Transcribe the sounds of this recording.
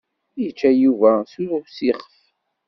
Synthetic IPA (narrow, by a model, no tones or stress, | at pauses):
jət͡ʃːæjuvæsunʊsiχəf